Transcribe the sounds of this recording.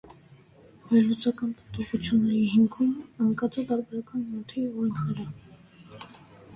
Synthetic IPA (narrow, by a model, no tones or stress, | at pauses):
vɛɾlut͡sɑkɑnpət̪ɔχut͡sʰjunːɛɾiɦimkʰuməŋkɑt͡sɛt̪ɑɾbɛɾɑkɑnmɔt̪ʰivɔjnχəɾɑ